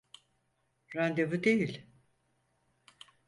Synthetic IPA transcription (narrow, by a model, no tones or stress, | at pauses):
ɾand̪evɯd̪ejilʲ